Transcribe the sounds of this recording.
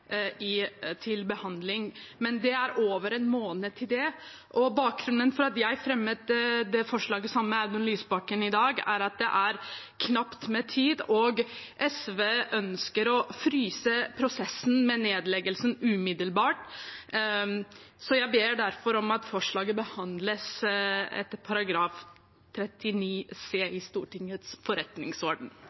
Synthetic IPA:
ɪt̪ʰɪlbəhɑnd̪lɪŋmɛnd̪ɛæɾoːʋəɾɛnmoːnət̪ʰɪld̪ɛ | ʔɔbɑːk̚ɡɾʉnːənfɔɾɑt̪jæɪfɾɛmːət̪d̪ɛfɔʂɭɑːɡəsɑmːəæʉd̪ɔnlyːsbɑkːənɪd̪ɑːɡæ̰ɾɑt̪̚d̪ɛʔæɾkʰnɑpt̪mɛt̪ʰiːd̪ɔɡʔɛsʋeːʔœnskəɾɔfɾyːsəpʰɾʊsɛsːn̩mɛneːd̪lɛɡəlsənʉmɪd̪əlbɑːʈ | sɔjæɪbeːɖæɾfɔɾɔmɑt̪fɔʂɭɑːɡəbəhɑnd̪ləsɛ̰t̪ːəɾpʰɑɾɑɡɾɑːf | t̪ʰɾɛt̪ːɪniːseːɪst̪uːʈɪŋət̪sfɔɾɛt̪nɪŋsɔɖn̩

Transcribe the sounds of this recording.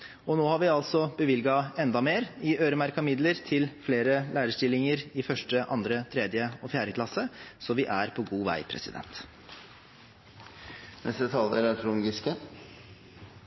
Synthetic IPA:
ɔnoːhɑɾʋɪɑlsɔbəʋɪlɡɑɛnd̪ɑmeːɾɪʔøːɾəmæɾkɑmɪd̪ləɾt̪ʰɪlfleːɾəlʔæːɾəʂʈɪlːɪŋəɾɪfœʂʈəʔɑ̰nd̪ɾət̪ʰɾɛːd̪jəɔːfjæːɾəkʰlɑsəsɔʋɪʔæɾpʰɔɡuːʋæ̰ɪpʰɾɛ̰sɪ̰d̪ɛ̰nt̪ | nɛ̰st̪ət̪ʰɑləɾɛt̪ʰɾʊŋɡɪskə

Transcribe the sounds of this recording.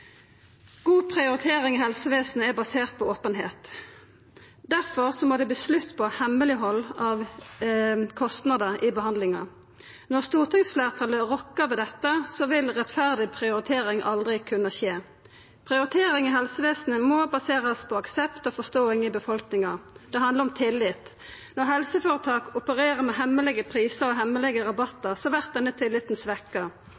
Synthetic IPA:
ɡ̥uːpʰʁɪʊɾɪt̪ʰeːʁɪŋɪhɛlsəʋeːsn̩əæʁbɑseːʁt̪̚pʰɔoːpənɦeːt̪ | d̪æʁfɔʁsɔmɔd̪ɛbəslʉt̪ːpʰɔhɛməlɪɦɔlːɑʋ | kʰɔst̪nɑd̪əʔibəhɑnd̪lɪŋɑ̰ | nɔʁst̪uːʁt̪ʰɪŋsfleːʁt̪ʰɑːləʁɔkːəʁʋɛːd̪ɛt̪ːəsɔʋɪlʁɛt̪fæʁd̪ɪpʰʁɪʊɾɪt̪ʰeːɾɪŋʔɑ̰ld̪ʁɪkʰʉnːɑçeː | pʰʁɪʊɾɪt̪ʰeːɾɪŋɪɦɛlsəʋeːsnəmɔbɑseːʁəspʰɔɑksɛpt̪ɔːfɔst̪oːɪŋɪbəfɔlknɪŋɑd̪̥ɛɦɑnd̪əʁɔmt̪ʰɪlːɪt̪ | nɔʁɦɛlsəføːʁət̪ʰɑːkʊpəʁeːʁəʁmɛɦɛmːəlɛɡəpʰʁiːsəɾɔɦɛmːəlɛɡəʁɑbɑt̪ːəʁsɔʋæʁt̪̚d̪ɛnːət̪ʰɪlːɪt̪n̩sʋɛkːəʁ

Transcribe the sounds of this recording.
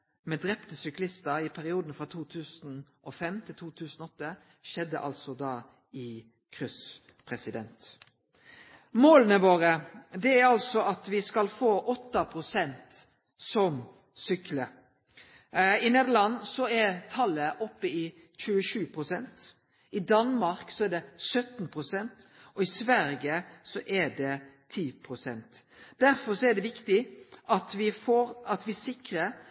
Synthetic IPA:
mɛd̪ɾɛpt̪əsʏklɪst̪əɾɪpʰæɾɪuːd̪n̩fʁɑt̪ʰuːt̪ʰʉːsnʔɔfɛmt̪ʰɪlt̪ʰuːt̪ʰʉːsn̩ɔɔt̪ːəʃɛd̪ːə̰ʔɑ̰lsɔd̪ɑː | ɪ | kʰʁʏs | pʰɾɛsɪd̪ɛnt̪ | moːlənəʋoːɾəd̪ɛæɾɑlsɔɑt̪ʋɪskɑlfoːʔɔt̪ːɑpʰʁʊsɛnt̪ | sɔm | sʏklə | ɪneːd̪əlɑnːsɔɛɾt̪ʰɑlːəʔɔpːəɪ | c͡çʉːəʃʉːpʰɾʊsɛnt̪ | ɪd̪ɑnmɑɾksɔæɾd̪ɛsœt̪npʰɾʊsɛnt̪ɔɪsʋæɾjəsɔʔɛɖɛt̪ʰiːpʰɾʊsɛ̰nt̪d̪̥æɾfɔɾsɔɛɖ̪ɛʋɪkt̪ɪʔɑt̪ʋɪfoːɾɑt̪ʋɪsɪkɾə

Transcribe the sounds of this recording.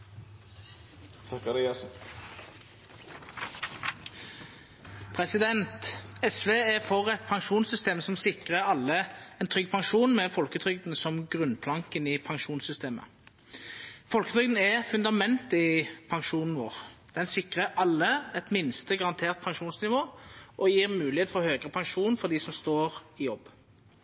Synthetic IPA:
sɑkɑɾɪɑs | pʰʁɛsɪd̪ɛnt̪ɛsʋeːɛfɔʁɛt̪̚pʰɑŋʃuːnsʏst̪eːmsɔmsɪkʁəʁɑlːəɛnt̪ʰʁʏɡ̚ːpʰɑŋʃuːnmɛfɔlkət̪ʰʁʏɡd̪n̩sɔmɡʁʉnpʰlɑŋkənɪpʰɑŋʂuːnsʏst̪eːmə̰ | fɔlkət̪ʁʏɡd̪n̩ɛfʉnd̪ɑmɛnt̪ɪpʰɑŋʂuːnn̩ʋo̰ːʁd̪̥ɛnsɪkʁəɾɑlːəɛt̪mɪnst̪əɡɑɾɑnt̪ʰeːʁt̪̚pʰɑŋʂuːnsnɪʋoːʔɔjiːʁmʉːlɪheːt̪fɔhøːɡʁəpʰɑŋʂuːnfɔʁd̪ɪsɔmst̪oːʁɪjɔbː

